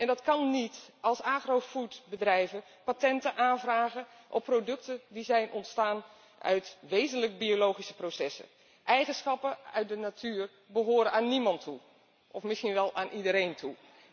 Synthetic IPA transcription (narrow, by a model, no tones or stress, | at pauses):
ɛndɑtkɑnːitɑlˠsaːχrofutbədrɛjvə | patɛntəʔaːnvraːɣə | ʔɔpːrodɵk̚tədizɛjnʔɔntstaːn | ʔœ̰ɥtʋejzənləkbiolowχisə̥prosɛsə̰ | ʔɛjχənsxɑpəœ̰ɥt̚dənatʰyːr | bəɦoːɾəaːnːimɑntʰːu | ʔɔfmɪsχinʋɛlˠaːnʔidəɾejntʰu